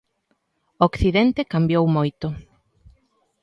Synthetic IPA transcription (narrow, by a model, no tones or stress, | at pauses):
okθiðent̪ekambjowmojt̪ʊ